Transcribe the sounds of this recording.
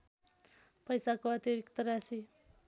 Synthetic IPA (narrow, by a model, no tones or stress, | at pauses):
pʌjsakoʌt̪jʌɾikt̪ʌɾasi